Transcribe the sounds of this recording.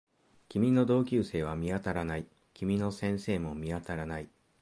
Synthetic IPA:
kʲimʲino̞d̪o̞ːkʲɨːse̞ːβ̞amʲiat̪aɾanai | kʲimʲino̞sẽ̞ɰ̃se̞ːmo̞mʲiat̪aɾanai

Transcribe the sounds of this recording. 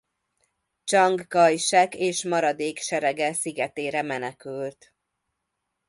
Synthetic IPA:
t͡ʃɒŋɡːɒjʃɛkeːʃmɒɾɒd̪eːkʃɛɾɛɡɛsiɡɛt̪eːɾɛmɛnɛkylt̪

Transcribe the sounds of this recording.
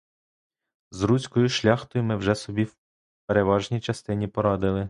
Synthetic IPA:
zɾusʲkɔjʊʃlʲɑxt̪ɔjʊmɪwʒɛsɔbʲiw | peɾe̞ʋɑʒnʲijt͡ʃɐst̪ɪnʲipɔɾɑd̪ɪlˠɪ

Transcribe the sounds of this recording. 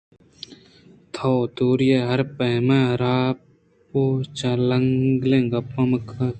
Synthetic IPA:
t̪ʰot̪uːɾjeɦɐɾpɐːmẽɾaː | poːt͡ʃɐlɐŋɡlẽːɡɐpːɐməkʰɐ

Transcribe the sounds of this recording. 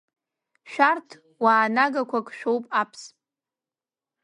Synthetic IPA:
ʃᶣartʰ | waːnaɡakʷʰakʰʼʃᶣowpʼapʰspʼ

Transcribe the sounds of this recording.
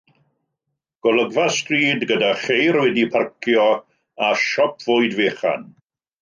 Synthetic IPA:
ɡ̥ɔlˠəɡvastriːdɡədaχejɾwɛdipʰarkʰjɔ | aʃɔpʰv̥ʊɨdveːχa̰n

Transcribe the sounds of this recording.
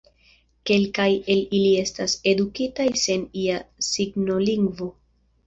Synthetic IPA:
ke̞lkaje̞lilie̞stase̞dukitajse̞niasiɡno̞liŋɡvo̞

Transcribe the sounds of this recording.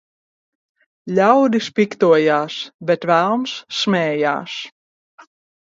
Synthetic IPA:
lʲawd̪ispikt̪uɔjaːsbet̪vælˠmsːmʲɛːja̰ːs

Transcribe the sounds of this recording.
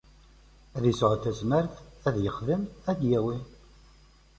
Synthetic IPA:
æðisʕəθæzməɾθæðjəχðəmæd̪jæwi

